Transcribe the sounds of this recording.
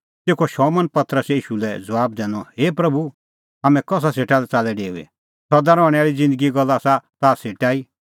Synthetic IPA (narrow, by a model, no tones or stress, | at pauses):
t̪eːkʰɔʃɔmɐnpɐt̪ɾəsiːʃulɛd͡zɐʋaːb̚d̪ɛ̃ːnɔɦeːpɾɐbʱu | ɦaːmɛ̃kɔs̬aseːʈalɛt͡salɛɖeːṵɛ̰ | sɐd̪aɾɔ̃ɽ̃ɛaːɾid͡zɪ̃nd̪əɡiɡɔlːasat̪aːseːʈaːi